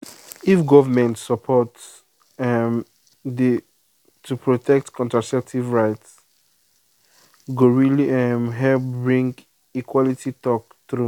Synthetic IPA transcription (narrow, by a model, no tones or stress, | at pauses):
ifɡɔvəmɛ̃ntsəpʰɔts | ɛm | di | tʰupʰɹotʰɛk̚tkɔ̃ntasɛp̚tʰivɹaɪts | ɡoɹiliɛmɦɛlpbɹĩŋɡ | ikʰwɔlitʰitɔk̚ | θɹu